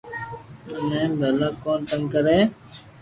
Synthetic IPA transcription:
ənẽːbʱəlaːkõːnt̪əŋkəɾẽː

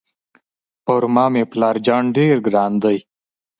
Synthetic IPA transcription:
oɾmɑːmeplɑːɾd͡ʒaːɳɖeɾɡɾɑːnd̪əj

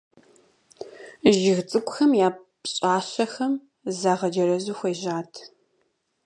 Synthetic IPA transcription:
ʒɪɣt͡sʼɨkʷʊxɐmjaːp | ɕʼaːɕɐxɐm | zaːʁɐd͡ʒɐɾɐzuːxʷejʑaːtʰ

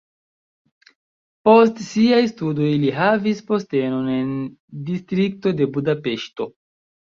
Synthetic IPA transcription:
po̞stsiajstudo̞jliɦavispo̞ste̞no̞ne̞ndistɾik̚to̞de̞budape̞ʃto̞

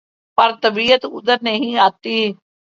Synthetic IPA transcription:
pəɾt̪əbiːət̪ʊd̪əɾnəɦĩːaːt̪ːiː

